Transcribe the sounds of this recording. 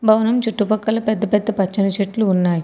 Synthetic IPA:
bʱɐʋɐnɐmt͡ʃuʈːupɐkːɐlɐpɛd̪ːɐpɛd̪ːɐpɐt͡ʃːɐnɐt͡ʃeʈluːnːaːji

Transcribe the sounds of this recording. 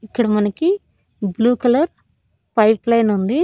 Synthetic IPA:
ikːɐɽɐmɐnɐki | bluːkɐlɐɾ | pɐjplɐjnund̪i

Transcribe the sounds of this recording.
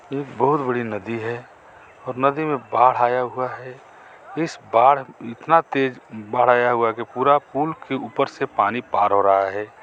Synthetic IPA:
eːk̚bəɦʊt̪bəɽinəd̪iɦɛ | ɔːɾnəd̪imẽbaːɽ̤aːjaɦʊaɦɛ | ɪsbaːɽ̤ɪt̪nat̪eːd͡ʒbaːɽ̤aːjaɦuakepuːɾapuːlkeuːpəɾsepaːnipaːɾɦoɾəɦaɦɛː

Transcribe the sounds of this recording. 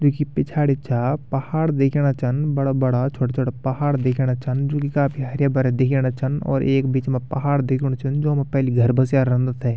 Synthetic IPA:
d͡ʒoːkipɪt͡ʃʰaːɽit͡ʃʰaːpɐhaːɽd̪eːkʰeɽ̃at͡ʃɐnbɐɽabɐɽat͡ʃʰoːʈat͡ʃʰoːʈapɐɦaːɽd̪eːkʰeɽ̃at͡ʃʰɐnd͡ʒoːkikaːpʰiɦɐɾjabəɾɛd̪ekʰeːɽ̃at͡ʃənɔ̰ːɾʔḛːkbiːt͡ʃmẽpɐɦaːɽd̪eːkʰːɽat͡ʃɐnd͡ʒoːmẽpɛːliɡʱɐɾbɐsjaːɾɾə̃nd̪ət̪ɦɛː

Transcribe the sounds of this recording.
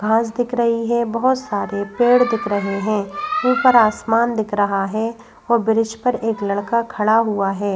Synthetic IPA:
ɡʱãːsd̪ɪkʰɾɐɦiɦɛ̃bɐɦʊt̪saːɾepeːɽd̪ɪkʰɾɐɦeɦɛ̃ːuːpəɾaːsmaːnd̪ɪkʰɾɐɦaɦɛː | oːbɪɾɪʃpɐɾeːklɐɽkakʰɐɽaɦuaɦɛː

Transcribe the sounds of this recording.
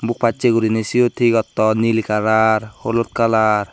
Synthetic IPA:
buk̚pat͡ʃːeɡuɾinesijot̪ʰiɡɔt̪ːɔnilikaɾaɾholot̪̚kalaɾ

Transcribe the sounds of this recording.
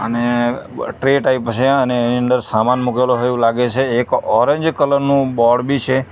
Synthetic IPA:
ə̰neʈɾeʈaipt͡ʃʰeəneniə̃nd̪əɾsamanmukeloɦəjũlaɡet͡ʃʰeːkɔɾẽɲd͡ʒkələɾnũbɔɽbit͡ʃʰe

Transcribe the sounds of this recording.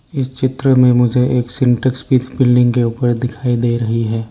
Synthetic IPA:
ɪst͡ʃɪt̪ɾəmẽmʊd͡ʒʱeʔeːksɪ̃ɳʈəkspiːt̪bɪlɖɪ̃ŋɡkeuːpəɾd̪ɪkʰaːid̪eːɾɐɦiɦɛː

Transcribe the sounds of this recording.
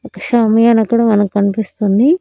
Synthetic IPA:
okːɐ̥ʃɐmɐjaːnɐkuːɽamɐnɐmukɐɳipist̪und̪i

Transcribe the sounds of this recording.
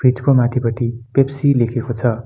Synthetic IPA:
b̥rid͡zkomat̪ʰibʌʈipepsilekʰekot͡sʰʌ

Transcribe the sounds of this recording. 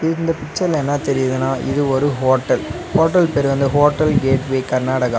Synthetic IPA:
ɪnd̪ɐpɪt͡ʃːɐlɛnːɐt̪ɛɾɪjɐðɯnaːʔɪ̰ðɯɔɾɯɦoːʈːɐl | hoːʈːɐlpɛɾɯʋɐnd̪ɯɦoːʈːɐlɡeːʈʋeːkɐɾnaːɽɐɣɐ

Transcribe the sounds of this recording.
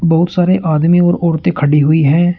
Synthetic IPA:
bɔɦʊt̪saːɾeʔaːd̪miɔːɾɔːɾt̪ẽkʰəɖiɦʊiɦɛ̃ː

